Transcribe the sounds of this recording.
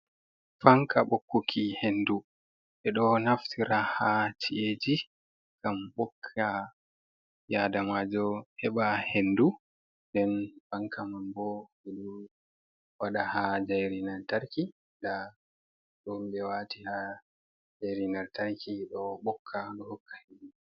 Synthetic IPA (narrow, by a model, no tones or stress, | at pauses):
faŋkaɓokːukʰihenːdu | ʔɛɗɔnaftʰiɾahat͡ʃtʰiʔed͡ʒi | ɡ̥amɓɔkʰːa | jadamad͡ʒɔʔɛɓahendu | ndɛnbaŋkamambɔ | ɛɗu | waɗahad͡ʒajɾinaɾtaɾki | nda | ɗumbɛwatiha | d͡ʒajɾinaɾtaɾkʰiɗɔɓɔkʰːaɗɔhɔkʰːḁhid͡ʒi